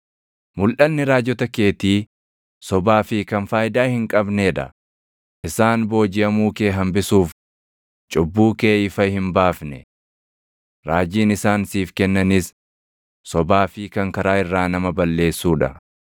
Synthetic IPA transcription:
mʊlʔɐnnːɪɾaːd͡ʒɔt̪ɐke̞ːt̪iː | sɔbaːfɪkɐnfaːjd̪aːhɪŋkʼɐbneːᶑɐ̰ | ʔɪsaːnbo̞ːd͡ʒɪʔɐmuːkeːɦɐmbɪsuːf | t͡ʃʼʊbːuːkeːɪfɐhɪmbaːfnɛ̰ | ɾaːd͡ʒiːnɪsaːnsiːfkɛnːɐnɪs | sɔbaːfɪkɐŋkɐɾaːɪrːaːnɐmɐbɐlːe̞ːsːuːᶑɐ̰

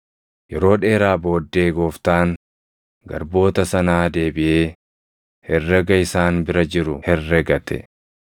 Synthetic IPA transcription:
jɛɾo̞ːᶑe̞ːɾaːbo̞ːd̪ːe̞ːɡo̞ːft̪aːŋ | ɡɐ̰ɾbo̞ːt̪ɐsɐnaːd̪e̞ːbɪʔeː | hɛrːɐɡɐɪsaːnbɪɾɐd͡ʒɪɾʊhɛrːɛɡɐt̪ɛ̰

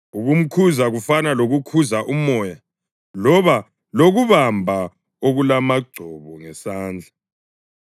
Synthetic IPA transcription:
uɣum̩kʰuzaɣufanaloɣukʰuzaʔumɔja | lɔβa | loɣuβambʱa | oɣulamaɡ͡ǀʱɔβɔŋɛsaːnd͡ɮʱa

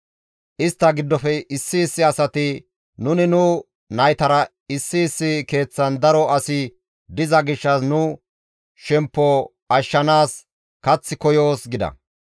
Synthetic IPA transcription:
ʔɪst̪ːɐɡɪd̪ːɔfɛʔɪsːɪːsːɪɐsɐt̪ɪ | nʊnɪnʊ | nɐjt̪ɐɾɐ | ɪsːɪːsːɪke̞ːt͡sːɐnd̪ɐɾɔɐsɪ | d̪ɪzɐɡɪʃːɐsnʊ | ʃɛmpːɔ | ʔɐʃːɐnaːs | kɐt͡sːɪkɔjo̞ːsɡɪd̪ɐ̰

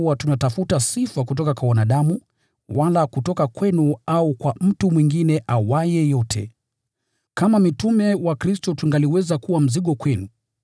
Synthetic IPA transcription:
uwatunatafutasifakut̬ɔkakwawanaɗamu | walakutɔkakwɛnuaukwam̩tumwiŋɡinɛʔawajɛjɔtʰɛ̰ | kamamitumɛwakɾistɔtuŋɡaliwɛzakuwam̩ziɠɔkwɛnu

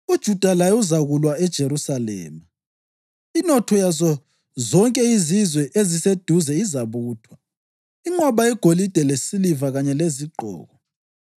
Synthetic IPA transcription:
ud̥ʒ̥ʱud̥ʱalajuzaɣulwaɛd̥ʒ̥ʱeɾusalɛ̰ːma | inɔtʰɔjazɔ | zɔŋkʼɛizizwɛʔezised̥ʱuzɛizaβuːtʰwa | iŋ͡ǃɔβaɛɡ̥ʱolid̥ʱɛlesilivaɣaɲɛleziɡ͡ǃʱɔ̰ːɣɔ

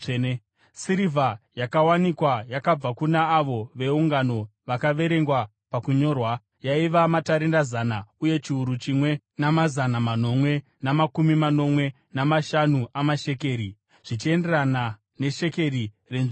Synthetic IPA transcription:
siɾivʱajakawanikwajakab͡vakunaːʋo̞ʋe̞uŋɡano̞ʋakaʋe̞ɾe̞ŋɡwa | pakuɲo̞rwa | jaiʋamataɾindazanauje̞t͡ʃiuɾut͡ʃimwe̞ | namazanamano̞mwe̞ | namakumimano̞mwe̞ | namaʃanuʔamaʃe̞ke̞ːɾi | ʐ̥it͡ʃie̞nde̞rana | ne̞ʃe̞ke̞ɾi | renʐ

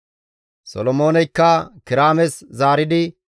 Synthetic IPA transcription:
sɔ̰lɔmo̞ːnɛjkːɐkɪɾaːmɛszaːɾɪd̪ɪ

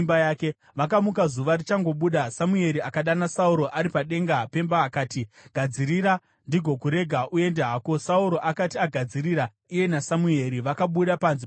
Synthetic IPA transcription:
mbajaːke | ʋakamukazuʋarit͡ʃaŋɡo̞ɓuːɗasamue̞ɾiakaɗanasauɾo̞ʔaɾipaɗe̞ŋɡape̞mbaːkaːtiɡ̥ʱad͡ziɾira | ndiɡʱo̞kuɾe̞ɡʱaʔue̞ndeɦaːko̞sauɾo̞ʔakatiaɡʱad͡ziriɾa | ije̞nasamue̞ɾiʋakaɓuɗapanzi

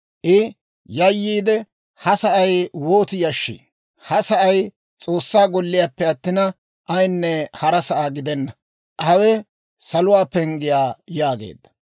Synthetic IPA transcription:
ʔɪ | jɐjːiːd̪ɛ | hɐsɐʔɐjwo̞ːt̪ɪjɐʃːḭ | hɐsɐʔɐj | t͡sʼo̞ːsːaːɡɔlːɪjaːpːɛɐt̪ːɪnɐ | ʔɐjnːɛhɐɾɐsɐʔaːɡɪd̪ɛnːɐ | hɐwɛ | sɐlʊwaːpɛŋɡɪjaːjaːɡḛːd̪ːɐ̥

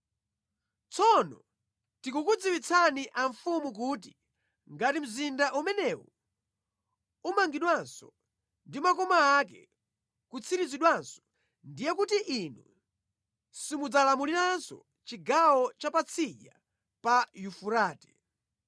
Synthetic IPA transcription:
t͡sʰɔnɔ | tikukud͡ziwit͡sʰaniʔaɱfumuk̬ut̬i | ŋɡatim̩zindaʔumɛnɛwɔ̰ | umaŋɡiɗwansɔ | ndimakɔmaːk̬ɛ̰ | kut͡sʰiɾiziɗwansɔ̥ | ndijɛkutiʔinṵ | simud͡zalamuliɾansɔ̰ | t͡ʃiɡawɔt͡ʃapat͡sʰiʄa | pajufuɾaːtɛ̥

